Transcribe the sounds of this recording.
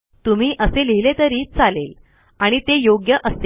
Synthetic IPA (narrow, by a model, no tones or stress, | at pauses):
t̪um̤iːʔəseliɦilet̪əɾiːt͡salel | aɽ̃it̪ejoɡjəʔəse